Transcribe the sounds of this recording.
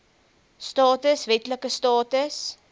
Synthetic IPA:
stɑːtəsvɛtləkəstɑːtəs

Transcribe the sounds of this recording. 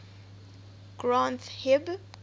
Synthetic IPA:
ɡ̥ɹãnthɛb

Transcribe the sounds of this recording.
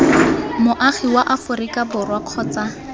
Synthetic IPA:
mʊʔaχiwaʔafʊrikabʊrwaq͡χʰɔːt͡sa

